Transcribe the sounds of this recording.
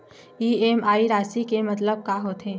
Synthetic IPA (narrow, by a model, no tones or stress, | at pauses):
iːeːmaːiɾaːsikemɐt̪ləb̚kaːɦoːt̪ɦẽː